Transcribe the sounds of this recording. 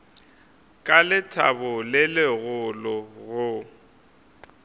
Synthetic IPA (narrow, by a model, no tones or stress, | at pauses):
kʼalɪtʰa̰bʊlɪlɪɣʊlɔɣʊ